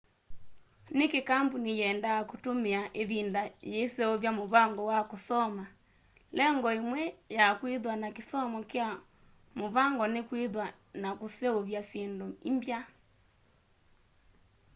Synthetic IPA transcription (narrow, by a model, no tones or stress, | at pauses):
nekekambunijɛːndaakotomeaʔeβindajeːseoβjamoβaŋɡɔwakosɔma | lɛŋɡɔemwɛjakwiðwanakesɔmɔkea | moβaŋɡɔnekweðwa | nakoseoβjasendoimbja